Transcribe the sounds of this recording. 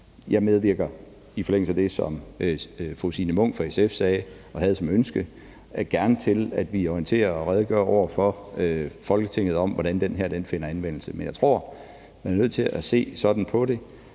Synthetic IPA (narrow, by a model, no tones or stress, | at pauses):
jɑ̈ɪmeð̞ˠʋiɐ̰ɡ̥ɐ | ifɒleŋ̰l̩səæd̥e̝sɒ̽møfʁusinəmɔ̽ŋ̰fɒesefsɛː | ɒ̽ɦæð̞̩ˠsɒ̽mønsɡ̥ə | ɡ̥æɐnət͡sʰe̝læd̥ʋiɒiənt͡sʰe̝̰ːɐɒʁɛːð̞ˠɡ̥ɶɐɒʊ̰ɐfɒ̽øfɒ̽lɡ̥ət͡sʰeŋ̰ð̩ˠɒ̽mʋɒɾ̥ænd̥enɦæɐ̰d̥enfe̝n̰ɐænʋen̰l̩səmenjɑ̈ɪt͡sʰʁo̝ɐ̰ | mæɐnøð̞̰ˠt͡sʰe̝læse̝̰ːsɒ̽d̥n̩pʰɒ̽ɾe̝